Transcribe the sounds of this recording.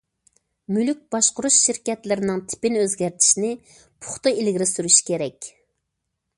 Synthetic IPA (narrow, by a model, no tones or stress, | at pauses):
mylyk̚ʲbɑʃqʊɾuʃʃiɾkʲɛt̪lɪɾɪnɪŋt̪ʰɪ̥pɪnøzɡʲæɾt̪ʰi̥ʃinɪ | pʰʊ̥χt̪ɨilɡʲɪɾɪsyɾyʃi̥kʲeɾɛkʲ